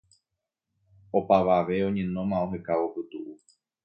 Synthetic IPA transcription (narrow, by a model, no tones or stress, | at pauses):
o̞paʋaʋe̞o̞ɲẽnõ̞mãoɦekawopɨt̪uʔu